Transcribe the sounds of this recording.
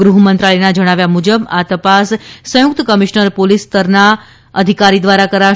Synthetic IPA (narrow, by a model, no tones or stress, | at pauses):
ɡɾuɦumənt̪ɾaɭinad͡ʒəɽ̃aʋjamud͡ʒəbat̪əpassə̃jʊk̚t̪əkəmiʃnəɾpolist̪əɾna | əd̪ʱikaɾid̪ʋaɾakəɾa